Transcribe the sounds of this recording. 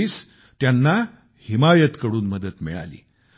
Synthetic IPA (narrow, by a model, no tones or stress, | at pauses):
iːs | t̪janːa | himajət̪kəɽuːnməd̪ət̪mḭɭa̰lḭː